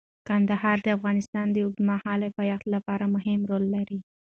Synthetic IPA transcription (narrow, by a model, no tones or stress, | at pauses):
kand̪aɦɑɾd̪əafɣɑnɪst̪ɑnd̪əʊɡ̚d̪mahɑlɪfajaxt̪lapɑɾamʊɦɪmɾolːaɾi